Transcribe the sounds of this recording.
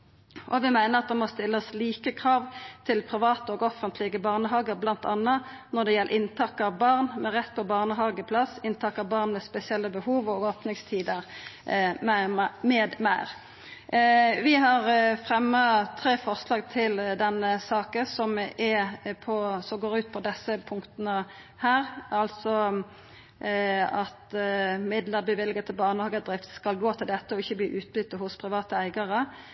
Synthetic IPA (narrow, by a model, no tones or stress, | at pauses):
ʔɔʋɪmæɪnəʁɑt̪̚d̪ɛmɔst̪ɪlːəsliːkəkʰʁɑːʋt̪ʰɪlpʰʁɪʋɑːt̪əɔɡɔfənt̪lɪɡəbɑːʁnəɦɑːɡəʁblɑnt̪ɑnːə | nɔd̪ɛjɛlʔə̰ʔɪnt̪ʰɑkːɑʋbɑʁnmɛʁɛt̪ːpʰɔbɑːʁnəɦɑːɡəpʰlɑsɪnt̪ʰɑkːɑbɑʁnmɛspɛsɪɛlːəbəhuːʋɔɡoːpnɪŋst̪ʰiːd̪əʁ | mæmɛːd̪mæɪʁ | ʋɪɦɑʁfʁɛmːət̪ʰɾeːfɔʁslɑːɡ̚t̪ʰɪld̪ɛnːəsɑːkəsɔmɛpʰɔsɔmɡoːɾʉːt̪̚pʰɔd̪ɛsəpʰʊŋkt̪ənə | hæːʁɑlsɔ | ɑt̪mɪd̪ləbəʋɪlɡət̪ʰɪlbɑʁnəhɑːɡəd̪ɾɪft̪skɑlɡoːt̪ʰɪld̪ɛt̪ːəɔɪçːəbliːʔʉːt̪̚bʏt̪ːəhʊspʰʁɪʋɑːt̪əæɪɡəʁə